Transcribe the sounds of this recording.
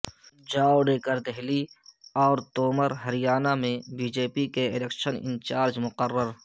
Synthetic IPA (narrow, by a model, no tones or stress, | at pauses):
d͡ʒaːwɖeːkəɾd̪ɛɦliɔːɾt̪oːməɾɦəɾɪjaːnamẽbiːd͡ʒeːpikeɪlekʃənɪ̰̃nt͡ʃaːɾd͡ʒmʊqərːəɾ